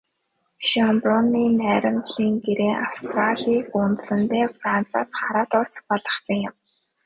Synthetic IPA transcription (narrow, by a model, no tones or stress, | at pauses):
ʃɔmprɔnːiːnæːɾʲɪ̆mt̪ɮiːŋɡeɾeːawst̪raɮiːkʊnt̪sə̆nt̪eːfrant͡sʰa̰t̪χaɾaːt̪ɔr̥t͡spɔɮɞ̆χpijʊm